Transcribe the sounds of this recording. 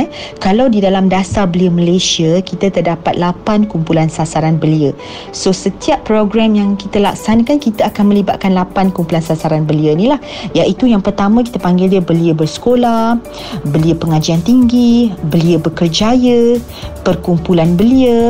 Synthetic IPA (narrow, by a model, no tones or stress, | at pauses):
kalawdidalamdasarbəliəməlesiəkit̪ət̪ərdapat̪̚lapankumpulansasaɾanbəliə | sosət̪iapːɾoɡɾamjaŋkit̪əla̰ksanəkankit̪əakanmə̃libat̪̚kanlapankumpulansasaɾanbəliənilah | jaʔit̪ujaŋpərt̪amə̃k̬it̪əpaŋɡɪldəbəliəbərsə̥kolah | bəliəpəŋad͡ʒiant̪iŋɡibəliəbəkərd͡ʒajə | pərkumpulanbəliə